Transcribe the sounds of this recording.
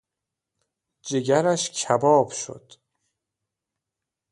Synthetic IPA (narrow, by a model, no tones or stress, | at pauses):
d͡ʒeɡæɾæʃcʰæbɒːbʃo̰d̪̥